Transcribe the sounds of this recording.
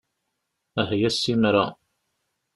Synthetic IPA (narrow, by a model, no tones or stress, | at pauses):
æhjæsːimɾɑ